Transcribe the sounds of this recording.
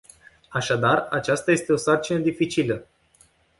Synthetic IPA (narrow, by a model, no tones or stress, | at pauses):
aʃad̪arat͡ʃast̪aje̞st̪e̞o̞sart͡ʃinəd̪ifit͡ʃilə